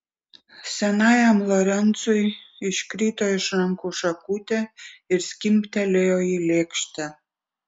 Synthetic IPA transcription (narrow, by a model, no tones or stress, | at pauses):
sænɑjɑmloɾent͡sujiʃkrit̪ojʃnɑmkuʃɑkut̪ʲĕirskʲimpt̪ælʲeojilekʃt̪æ̆